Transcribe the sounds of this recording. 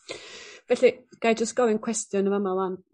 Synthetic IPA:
vɛɬiɡ̥ajd͡ʒəstɡ̥ɔvɪnkʰw̥ɛstjʊnəməmalˠan

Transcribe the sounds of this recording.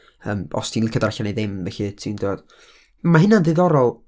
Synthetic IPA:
əːmɔ̰stʰiːnlɪkʰadarɬanejðɪmðɛɬitʰindoɔd̥ | maɦɪnanðɪðɔɾɔlˠ

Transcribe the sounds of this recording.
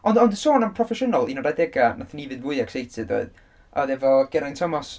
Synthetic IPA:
ɔndɔndəsoːnampʰrɔfɛʃənalˠinɔdajdɛɡanaθənivɨðvʊɨɛkʰsejtʰɨdo̰ɨð | ɔ̰ðɛvɔɡ̥ɛɾajntʰɔmɔs

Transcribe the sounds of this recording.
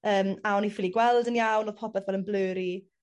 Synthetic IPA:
əːmaɔnifɪliɡwɛlˠdənjawnɔðpʰɔbɛðvɛlˠənbløːɾi

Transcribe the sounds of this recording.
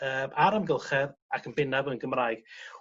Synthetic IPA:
əːmʔaɾamɡɪlˠχɛðakʰənbɪnavənɡəmraːɨɡ̥

